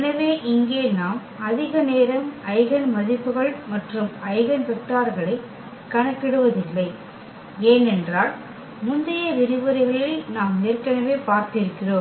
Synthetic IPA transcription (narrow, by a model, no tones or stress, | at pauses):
ɐnɐʋeːʔɪŋɡeːnaːm | ɐðɪɣɐneːɾɐmɐɪɣɐnmɐðɪpːɯɣɐɭmɐʈrɯmɐɪɣɐnʋɛk̚ʈːaːɾɣɐɭɐɪ | kːɐɳɐkːɪɽɯʋɐðɪlːɐɪ | eːnɛndraːl | mʊnd̪ɐjɐʋɪɾɯʋɐɾɐɪɣɐɭɐɪnaːmneːrkɐnɐʋeːpaːɾt̪ɪɾɯkːɪroː